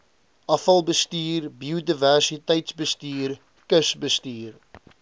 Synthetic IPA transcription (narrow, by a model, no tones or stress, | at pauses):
ʔɐfɐlˠbəstiːrbiudiværsitəjtsbəstiːr | kəsbəstiːr